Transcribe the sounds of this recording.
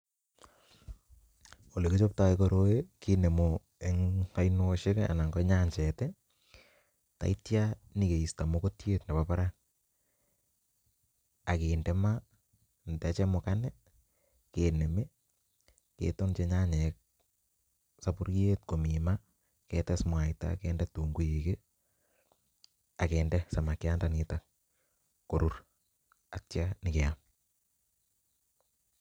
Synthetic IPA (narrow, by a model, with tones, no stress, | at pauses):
o˨le˨ki˦t͡ʃo˦p̚ta˦ɪkoɾo˦eki˦ne˨mo | e˦ŋa˦jnoʃɪ˦ka̰˨na˨ŋɡɔ˦ɲa˦ɲt͡ʃɛ˨tɛ | ta̰˨i˦tjani˨ke˨i˨sta˨moko˦tje˦tne˨papa˦ɾa | a˨ke˨ndɛ˦ma | ntɛ˨t͡ʃɛ˦mo˨kanɛ˦ | kene˨me˦ | kḛto˦nt͡ʃe˦ɲa˦ɲɛ˨k̚ | sapu˦ɾje˦t̚ko˨mi˨ma | kɛ˨tɛsmwa˨ɪta̰keːndɛ˦tu˨ŋɡu˦jike | a˨keːndɛsa˨ma˨kɪ˦a˦ndanɪta | ko˨ɾu˦ɾ | a˨tt͡ʃjanɪ˨kɛ˨am